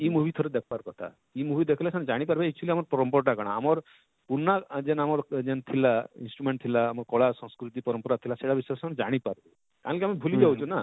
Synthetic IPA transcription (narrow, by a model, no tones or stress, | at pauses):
imubit̪ʰɔɾed̪ekʰɔbaɾkɔt̪ʰa̰ | imubʱid̪ekʰilasʰañd͡ʒaɽ̃ipaɾbeek̚t͡ʃuliamɔɾpɔɾɔmpɔɾʈ̬aɡaɽ̃aːmɔɾ | punad͡ʒenamɔɾd͡ʒent̪ʰilainsʈɾumeɳʈ̚t̪ʰilaːmɔɾkɔɭasɔ̃skɾut̪ipɔɾɔmpɔɾat̪ʰilaseɽabisɾsañd͡ʒaɽ̃ipaɾbe | kaɦɔ̃lkiamebʱulid͡ʒawt͡ʃʰuna